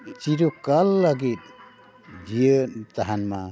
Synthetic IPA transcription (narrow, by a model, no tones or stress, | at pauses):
t͡ʃiɾukalːaɡit̪̚ | d͡ʒijət̪aɦanma